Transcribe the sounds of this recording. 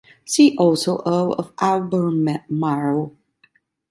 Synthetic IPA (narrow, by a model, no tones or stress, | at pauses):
siʔɔlˠsoʊʔəlʌ̰vælˠbə˞mɛmɑɹoʊ